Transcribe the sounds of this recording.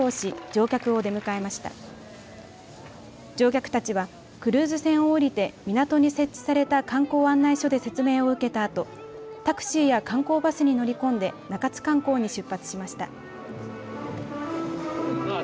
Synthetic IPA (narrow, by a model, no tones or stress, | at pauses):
oːɕid͡ʑo̞ːkʲakɯ̟o̞d̪e̞mɯ̟kae̞maɕi̥t̪a̰ | d͡ʑo̞ːk̬ʲakɯ̟̥t̪at͡ɕiβa | kɯ̟ɾɯ̟ːzɨsẽ̞ɰ̃o̞ːɾʲit̪e̞mʲinat̪o̞ɲ̟ise̞t͡ɕːi̥saɾe̞t̪akãŋko̞ːãnːaiɕo̞d̪e̞se̞t͡sɨme̞ːo̞ɯ̟ke̞t̪aːt̪o̞ | t̪akɯ̟̥ɕiːjakãŋko̞ːbasɨɲ̟ino̞ɾʲikõ̞nd̪e̞nakat͡sɨ̥kãŋko̞ːɲ̟iɕɨpːat͡sɨ̥ɕimaɕi̥t̪a̰